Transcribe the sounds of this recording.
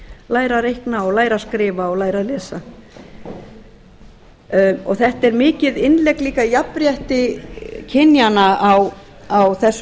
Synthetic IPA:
laːjɾaɾejhknaɔlaːjɾaskɾɪːvaɔɣlaːjɾalɛːsa | ɔ̰ɣθɛht̪ɛɾmɪːcɪðɪnlɛkliːkajapɾjɛht̪ɪcʰɪnjanaaw | awθɛsː

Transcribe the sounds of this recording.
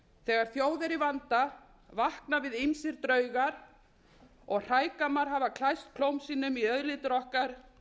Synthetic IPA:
θɛːɣaɾ̥θjoːwðɛɾivant̪a | vahknavɪðɪmsɪɾt̪ɾœːɥɣaɾ̥ | ɔɣr̥aːjkamaɾ̥ɦavakʰlajst̪̚kʰlowmsiːnʏmiœðlɪt̪ɾɔhkaɾ̥

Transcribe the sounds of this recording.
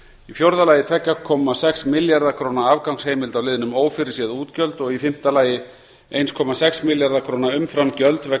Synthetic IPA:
ifjowɾðalaːjɪt̪ʰɛcːakʰːɔmasɛksmɪljaɾðakʰɾoːwnaavkawŋshejmɪlt̪awlɪːðɪnʏmoːwfɪɾɪɾ̥sjɛðuːt̪cœlt̪ɔɣifɪm̥t̪alaːjɪ | ejnskʰɔːmasɛksmɪljaɾðakʰɾ̥oːnaʏmfɾamcœlt̪vɛ

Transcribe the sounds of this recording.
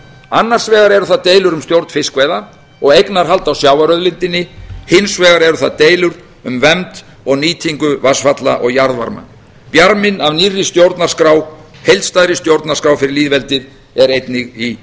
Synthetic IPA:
anːar̥svɛːɣaɾɛɾʏθaðt̪eːjlʏɾʏmst̪jowɾt̪nfɪskvɛjða | ɔɣejknaɾ̥ɦal̪t̪awsjawvaɾœðlɪnt̪ɪnːɪhɪnsvɛːɣaɾɛɾʏθaðt̪eːjlʏɾ | ʏmvɛmt̪ | ɔɣniːt̪ʰiŋkʏvasfat̪la̰ʔɔɣjaɾðva̰ɾma̰ | pjaɾmɪnavnirːɪst̪jowɾt̪naɾ̥skɾaːw | hejlt̪st̪ajðɾɪst̪jowɾt̪nḁskɾawfɪɾɪɾliːðvɛlt̪ɪð | ɛɾejt̪nɪɣi

